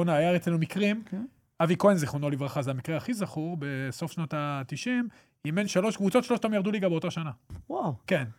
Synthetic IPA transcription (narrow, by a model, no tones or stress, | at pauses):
onaːjaʁet͡slenumikʁim | avikoenzeχonolivʁaχazeamikʁeaχizaχuʁbe̞so̞fʃnat̪at̪iʃim | imenʃalo̞ʃkvut͡so̞t̪ʃeloʃt̪amjaʁd̪uliɡabeo̞t̪aʃanawawken